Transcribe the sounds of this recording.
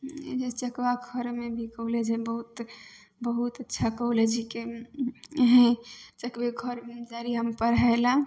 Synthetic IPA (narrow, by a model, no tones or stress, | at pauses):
d͡ʒet͡ʃəkwaɡʱəɾmebʱikəwlɛd͡ʒɛbəɦut̪ | bəɦut̪ətːʃʰakəuled͡ʒike | ɦɛ̃t͡ʃəkbeɡʱəɾmd͡ʒaɾiəmpəɾɦəela